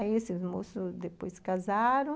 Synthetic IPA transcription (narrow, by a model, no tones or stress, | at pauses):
iesɪzmosʊzd̪epojskazaɾõ